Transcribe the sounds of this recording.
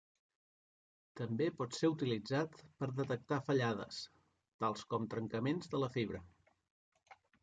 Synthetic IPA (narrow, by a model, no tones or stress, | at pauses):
t̪əmbepɔt̪seɾut̪ilid͡zat̪pəɾðət̪ək̚t̪afəʎaðə̰s | t̪alˠskɔmt̪ɾəŋkəmenzðələfiβ̞ɾə